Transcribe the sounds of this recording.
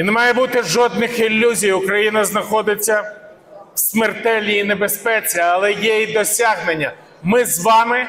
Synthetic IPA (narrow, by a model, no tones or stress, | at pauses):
nemɑjɛbut̪ɪʒɔd̪̚nɪxilʲːuzʲijʊkɾɐjinɐznɐxɔd̪ɪt͡sʲːɐ | sʲmert̪ɛlʲnʲiinebespɛt͡sʲiɐlˠɛjɛid̪ɔsʲaɦnenʲːɐ | mɪzʋɑmɪ